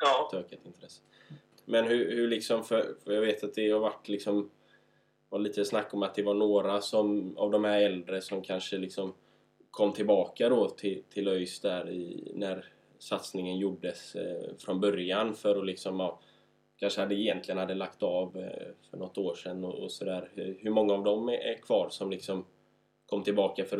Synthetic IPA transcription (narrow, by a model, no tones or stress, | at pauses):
t̪ʰøːkət̪ɪnt̪ʰɾɛsːə̥ | mɛnhɵhɵɭɪksɔmfœɾfœjaɡveːt̪at̪̚d̪ɛhavaʈːlɪksɔm | ɔliːt̪əsnakːɔmat̪̚d̪ɛvaɳoːɾasɔma̰vd̪ɔmhæɾɛld̪ɾəsɔmkʰanʂəlɪksɔm | kʰɔmːt̪ʰɪlbɑːkad̪ɔt̪ʰɪt̪ʰɪlœjsd̪æɾɪ̰næɾ | sat̪snɪŋənjʊɖːəsfɾɔnbœɾjanfœɾɔlɪksɔmɑ | kʰanʂəhad̪ːəjɛnt̪lɪɡənhad̪ːəlakt̪ɑvfœɳɔt̪ːoːʂɛnːɔʔɔsɔd̪æːɾhhɵɾmɔŋːaːvd̪ɔmækʰv̥ɑːɾsɔmlɪksɔm | kʰɔmːt̪ʰɪlbɑːkafœɾ